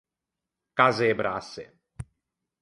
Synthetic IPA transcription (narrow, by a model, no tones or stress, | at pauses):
kazebɾasḛ